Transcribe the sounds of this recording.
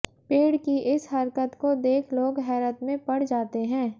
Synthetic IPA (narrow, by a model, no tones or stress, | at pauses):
peːɽkiʔɪsɦɐɾkət̪kod̪eːkʰloːɡɦɛːɾət̪mẽpɐɽ̤d͡ʒaːt̪eɦɛ̃ː